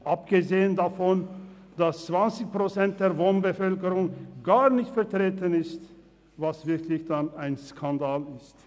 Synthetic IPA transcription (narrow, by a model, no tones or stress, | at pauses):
ʔapɡ̥əzeːəndafɔn | d̥ast͡sv̥ant͡sɪçpʁ̥ot͡sɛnt̚d̥eːɐvoːnbəfœlkəʁʊŋɡaːɐnɪçtfɛɐtʁ̥eːtənɪst | vasv̥ɪɐkʰlɪçd̥anaɪnskʰandaːlɪst